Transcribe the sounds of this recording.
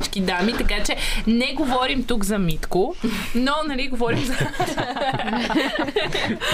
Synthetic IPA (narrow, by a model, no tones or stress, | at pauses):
t͡ʃkid̪amit̪ɐkat͡ʃɛnɛɡovɔɾimt̪ukzɐmit̪konɔnɐliɡovɔɾimzɐ